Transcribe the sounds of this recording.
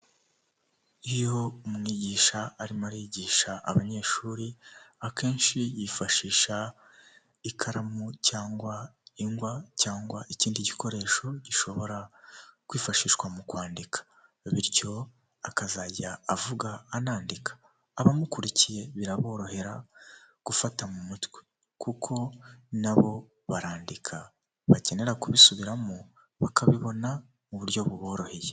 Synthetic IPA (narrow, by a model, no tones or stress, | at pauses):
ijo̞umŋiɟiːʃaːɾimaɾiɟiːʃaʔːβaɲe̞ʃuːɾiakʰe̞ːnʃijiːfaʃiːʃa | ikʰaɾamucaːŋɡwaiŋɡwacaːŋɡwaʔiciːndiɟiko̞ɾe̞ːʃo̞ɟ̥iʃo̞βo̞ɾakwiːfaʃiːʃwamukwaːndikʰḁ | βiɾjo̞ | akazaɟaːvuɡaːnaːndikḁː | βamukuɾicije̞βiɾaβo̞ːɾo̞he̞ɾa̰ | ɡ̥ufatamumutwe | kukʰo̞naβo̞ | βaɾaːndikʰa | βace̞ne̞ɾakuβisuβiɾamo | βakʰaβiβo̞na | muβuɾjo̞βuβo̞ːɾo̞he̞je